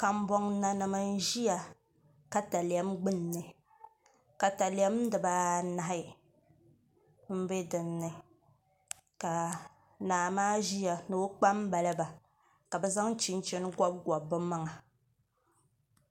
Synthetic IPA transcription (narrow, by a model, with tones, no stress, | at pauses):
ka˦m˦bɔ˦ŋna˦nɨ˨mɨ˦n̩˦ʒi˦ja˨ | ka˨ta˨li˨ɛ˦mɡ͡bɨ˦nː˨ɨ˨ | ka˨ta˨lɪ˨ɛ˦mdɨ˨baː˦na˨ɦɪ˦ | m̩˦be˦dɨ˨nnɨ˨ | ka˨ | naː˨maː˦ʒi˦ja˨no˨˦k͡pa˦mba˨la˦ba˨ | ka˨bɛ˦za˦ŋ˦t͡ʃi˦n˦t͡ʃɛ˦n˦ɡʷa˦b̚ɡɔ˨bːɨ˦ma˦ŋa˨